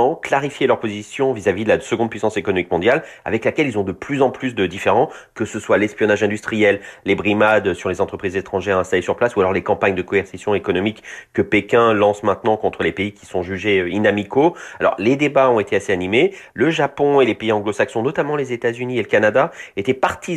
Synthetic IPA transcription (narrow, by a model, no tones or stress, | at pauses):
ɑ̃klaʁifjelœʁpozisjɔ̃vizavid̪əlasəɡɔ̃d̪̚pɥisɑ̃sekɔnɔmik̚mɔ̃d̪jala̰vɛklakʲɛlilzɔ̃d̪əplyzɑ̃plys̬d̪əd̪ifeʁɑ̃ | kəsəswalɛspjɔnaʒɛ̃d̪yst̪χijɛlːebʁimad̪syʁlezɑ̃t̪χəpχizet̪χɑ̃ʒɛʁɛ̃st̪alesyʁplasualɔʁlekɑ̃paɲd̪əkɔɛʁsisjɔ̃ekɔnɔmikːəpekʲɛ̃lɑ̃smɛ̃t̪nɑ̃kɔ̃t̪χəlepeikʲi̥sɔ̃ʒyʒeøinamikoalɔ̰ʁled̪ebaɔ̃et̪easeanimeləʒapɔ̃elepeiɑ̃ɡlosaksɔ̃nɔt̪amɑ̃lezet̪azynieləkanad̪aet̪ɛpaʁt̪ʰi